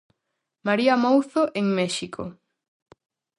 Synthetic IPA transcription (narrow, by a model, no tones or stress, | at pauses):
maɾiamowθoʔeŋmɛʃikʰo̰